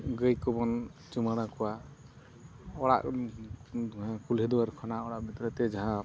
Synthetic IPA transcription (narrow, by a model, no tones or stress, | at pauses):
ɡəjkɔbɔnt͡ʃumaɽakɔwa | ɔɽa̰ʔ | kulɛd̪uwaɾkʰɔnaɔɽaʔbʱit̪ɾɔt̪ɛd͡ʒaɦã